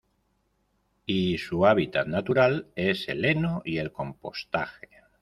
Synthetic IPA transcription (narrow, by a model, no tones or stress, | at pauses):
isuaβ̞it̪at̪nat̪uɾale̞se̞̰le̞noie̞lko̞mpo̞̰st̪a̰xe̥